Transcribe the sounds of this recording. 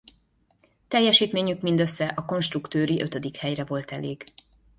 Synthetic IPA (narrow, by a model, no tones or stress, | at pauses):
t̪ɛjːɛʃiːt̪meːɲykmind̪øsːɛʔɒko̞nʃt̪rukt̪øːɾiʔøt̪ød̪ikhɛjrɛvo̞lt̪ɛleːɡ